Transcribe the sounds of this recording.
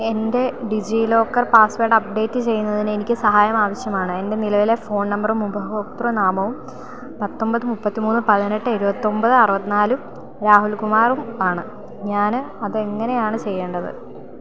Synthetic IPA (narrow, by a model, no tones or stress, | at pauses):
e̞nde̞ɖid͡ʑiːlo̞ːkːɐrpaːsʋeːɖɐp̚ɖe̞ːtːɨt͡ɕe̞jːunːɐðinɨe̞nikʲːɨsɐɦaːjɐmaːʋɐɕjɐmaːɳɨe̞nde̞nilɐʋile̞fo̞ːnnɐmbɐrumubʱɐokt̪rɐnaːmɐʋum | pɐt̪ːo̞mbɐðɨmupːɐt̪ːimuːnːɨpɐðine̞ʈːɨeɾubɐt̪ːo̞mbɐðɨɐrɨʋɐt̪ːinaːlum | ɾaːɦulkumaːrumaːɳɨ | ɲaːn | ɐðɨe̞ŋːɐne̞jaːɳɨt͡ɕe̞jːeːɳɖɐðɨ̰